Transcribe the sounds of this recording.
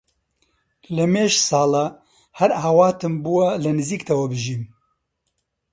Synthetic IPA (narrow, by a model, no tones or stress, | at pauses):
lɨmeːʃsɑːla | hɛɾaːwɑːt̪ɨmbuwɐlɨnɨziːkt̪ʰɛwɐbɨʒiːm